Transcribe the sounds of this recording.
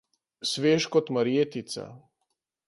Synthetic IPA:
sʋeːʃkɔt̪maɾjeːt̪it̪sa̰

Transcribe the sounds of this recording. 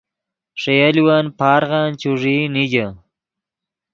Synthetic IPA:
ʂejaliwanpaːɾɣaːnt͡ʃuʐiniɡa

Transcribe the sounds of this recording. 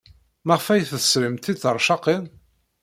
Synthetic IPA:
məʁfæjθəsɾəmt̪ːit͡sːəɾˤʃɑqin

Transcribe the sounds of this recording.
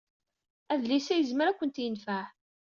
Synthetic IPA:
æðlisæjəzməɾækʷːənt̪jənfəħ

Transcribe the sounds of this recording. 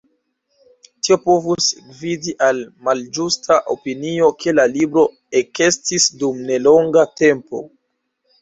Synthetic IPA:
tio̞po̞vusɡvidiʔalmald͡ʒustʰaʔopinio̞kʰe̞lalibɾo̞ | e̞ke̞stisdumne̞lo̞ŋɡate̞mpo̞̰

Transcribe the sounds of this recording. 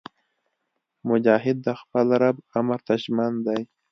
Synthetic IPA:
mʊd͡ʒɑːɦɪd̪ːəxpəlaɾabamaɾt̪aʒmand̪aj

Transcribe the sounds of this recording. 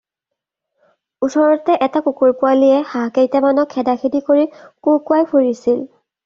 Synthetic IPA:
usʰɔɹɔtɛʔɛtakukuɹpʊalijɛxakejtɛmanɔkʰːɛdaxʰidikoɹikukʊajpʰuɹisil

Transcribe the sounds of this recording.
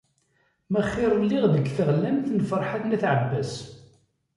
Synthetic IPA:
mæχːɪɾˤlːɪʁðəɡθəʁlænθnfəɾˤħaθnæθʕəbːæs

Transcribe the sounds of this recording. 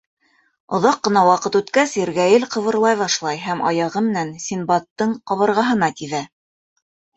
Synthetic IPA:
ŏðɑqːɤ̆nɑwɑqɤt̪ʉt̪kæsɘɾɡæjɘlqɤ̆βɤ̆ɾlˠɑjβɑʃlˠɑjɦæmʔɑ̰jɑʁɤmɘ̆nænsʲinbɑt̪ːɤɴqɑβɤ̆ɾʁɑɦɤ̆nɑt̪iðæ

